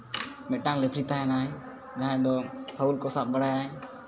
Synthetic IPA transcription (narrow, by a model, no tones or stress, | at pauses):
mɛʈaŋlɛpʰɾit̪aɦɛnaj | d͡ʒaãd̪ɔpʰaulkɔsap̚bəɽajaj